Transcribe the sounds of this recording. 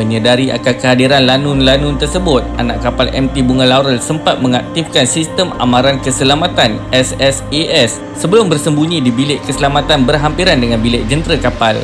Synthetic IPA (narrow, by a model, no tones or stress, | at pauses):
məɲədaɾiʔa̰kakəɦadiɾanlanʊnlanʊnt̪ərsəbʊt̪̚ʔa̰na̰ʔkapalʔɛ̰mt̪ibuŋãlaɾəlsəmpat̪̚mə̃ŋak̚t̪ifkansist̪əma̰mãɾankəsəlamat̪anɛsɛsiɛsːəbəlʊmbərsəmbuɲĩdibilɪʔkəsəlamat̪anbərɦampiɾandəŋanbilɪʔ̚d͡ʒənt̪ɾəkapal